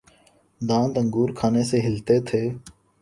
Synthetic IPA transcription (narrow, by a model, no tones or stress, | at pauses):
d̪ãːnd̪əŋɡuːɾkʰaːneːseːɦɪlt̪eːt̪ʰeː